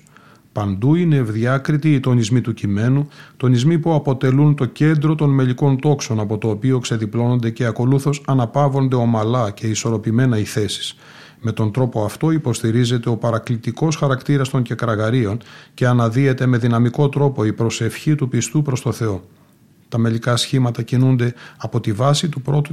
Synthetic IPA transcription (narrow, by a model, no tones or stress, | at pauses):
pɐnd̪uinevðʝɐkɾit̪iːt̪o̞nizmit̪ucime̞nut̪o̞nizmipuɐpo̞t̪e̞lunt̪o̞ce̞nd̪ɾo̞t̪o̞nme̞ʎiko̞nt̪o̞kso̞nɐpo̞t̪o̞ːpio̞kse̞ðiplo̞no̞nd̪e̞ceɐko̞luθo̞sɐnɐpɐvo̞nd̪e̞o̞mɐlɐce̞iso̞ɾo̞pime̞nɐiθe̞si̥s | me̞t̪o̞nd̪ɾo̞poɐft̪o̞ipo̞st̪iɾize̞t̪e̞o̞pɐɾɐklit̪iko̞sxɐɾɐkt̪iɾɐst̪o̞ɲɟe̞kɾɐɣɐɾio̞nce̞ɐnɐðie̞t̪e̞me̞ðinɐmiko̞t̪ɾo̞po̞ipɾo̞se̞fçit̪upist̪upɾo̞st̪o̞θe̞o̞ | t̪ɐme̞likɐsçimɐt̪ɐcinund̪e̞ɐpo̞t̪ivɐsit̪upɾo̞t̪u